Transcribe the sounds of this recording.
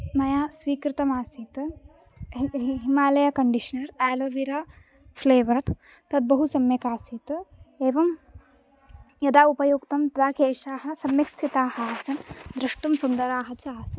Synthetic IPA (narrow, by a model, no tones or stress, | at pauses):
mɐjaːsʋiːkɾɪt̪ɐmaːsiːt̪ɨ | ɦimaːlɐjɐkɐɳɖiʃɐnɐɾæːlɐʋiɾaː | pʰleːʋɐɾ | t̪ɐd̪̚bɐɦusɐmjɐkaːsit̪ɨeːʋɐm | jɐd̪aːupɐjukt̪ɐmt̪ɐd̪aːkeːʃaːɦɐ̆sɐmjɐkst̪ʰit̪aːhɐaːsɐnd̪ɾɐʂʈumsund̪ɐɾaːɦɐt͡ʃɐaːsɐ̥n